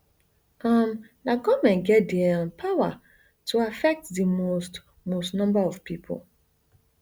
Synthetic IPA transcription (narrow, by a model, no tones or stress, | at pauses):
am | naɡɔmɛ̃nɡɛtdɛ̃npʰawa̰ | tʰuafɛk̚tðəmost | mostnɔ̃mbaɔv̥pʰipʰo̰lˠ